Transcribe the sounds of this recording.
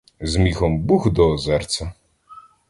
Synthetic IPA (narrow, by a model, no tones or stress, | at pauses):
zmʲixɔmbuxd̪ɔzɛrt͡sʲɐ